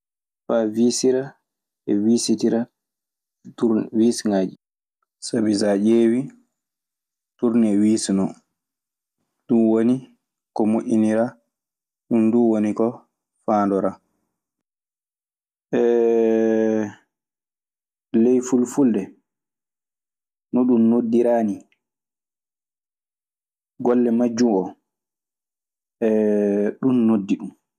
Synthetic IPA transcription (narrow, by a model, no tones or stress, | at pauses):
favisiɾa | ʔɛwiːsitiɾa | uwiːsŋaːd͡ʒi | sabizad͡ʒeːwi | tuɾnɛwiːsnɔ | duwoni | kɔmoʔʲiniɾa | ɗunduwonikɔ | faːndɔɾa | ʔɛ | lɛjfulfuldɛ | nɔɗunːodːiɾaːni | ɡɔlːɛmad͡ʒːumɔ | ʔɛɗunːodːiɗum